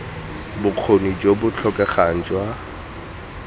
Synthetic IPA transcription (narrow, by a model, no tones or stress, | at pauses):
bʊq͡χʰonid͡ʒwobʊt͡ɬʰɔkʼɛχan̩d͡ʒwa